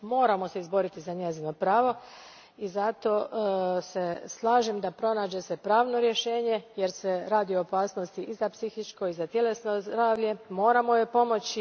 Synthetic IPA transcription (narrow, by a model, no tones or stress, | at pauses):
mo̞ːɾamo̞seizbo̞ɾit̪izaɲezino̞pɾaːʋo̞ | izat̪o̞ːseslˠaːʒemd̪apɾo̞naːd͡ʑe̞sepɾaːʋno̞ɾjeʃe̞ːɲe̞jeɾseɾaːd̪ioopaːsno̞st̪iʔizapsixit͡ʃko̞izat̪jele̞sno̞zd̪ɾaːʋʎe̞mo̞ːɾamo̞je̞po̞mo̞t͡ɕi